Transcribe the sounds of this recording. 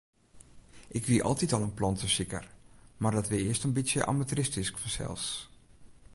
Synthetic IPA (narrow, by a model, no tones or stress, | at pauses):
ʔɪkʋiʔɔ̰lˠtitɔlˠənplɔntəsikə̰rmardɔtʋɪɪəstənbitsjəʔa̰matrɪstiskfɔnsɛ̰lˠs